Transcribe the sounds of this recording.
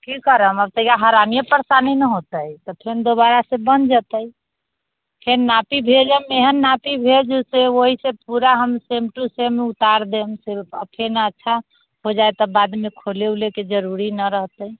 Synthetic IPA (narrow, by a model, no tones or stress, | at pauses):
kikəɾəməb̚t̪əjaɦaɾamijəpəɾsaninəɦot̪ət̪ɔpʰend̪obaɾasẽbənd͡ʒət̪əj | pʰenːapibʱed͡ʒəmeɦənːapibʱed͡ʒuseoɦisepuɾaɦəmsemʈusemːeut̪aɾd̪emsɪɾpʰə̰pʰenaətːʃʰa | ɦod͡ʒaet̪ɔbad̪mekʰolewleked͡ʒəɾuɾinəɾəɦt̪əi